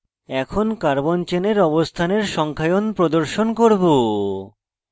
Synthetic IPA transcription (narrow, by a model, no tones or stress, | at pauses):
ɛkʰonkaɾbont͡ɕeneɾɔbost̪ʰaneɾʃɔŋkʰajonpɾod̪oɾʃonkoɾbo